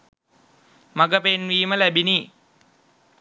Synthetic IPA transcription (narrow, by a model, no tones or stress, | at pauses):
maɡəpenʋiːməlæbini